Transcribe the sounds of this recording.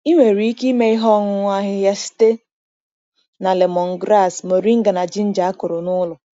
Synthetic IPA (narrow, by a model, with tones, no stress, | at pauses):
i˦ŋʷe˨ɾi˦i˦ki˦me˦ɪ˦ɦɔ˦ŋʊ˨ŋʷa˦ɦɪ˦ja˦si̥˦te˦ | na˨le˨mɔ˨ŋ̩˨ɡɾa˦˨smo˨ɾi˦ŋ̩˦ɡa˨na˨d͡ʒi˦n̩˦d͡ʒa˨a˦kʊ˨ɾʊ˨nʊ˦lʊ˨